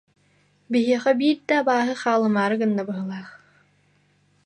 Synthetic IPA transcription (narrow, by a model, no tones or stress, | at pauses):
biɦiːχɛbiːɾd̪aːbaːɦɯχaːlˠɯmaːɾɯɡɯnːɐbɯɦɯlˠaːχ